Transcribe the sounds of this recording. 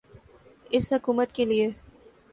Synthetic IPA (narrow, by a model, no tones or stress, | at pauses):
ɪsɦʊkuːmət̪kelie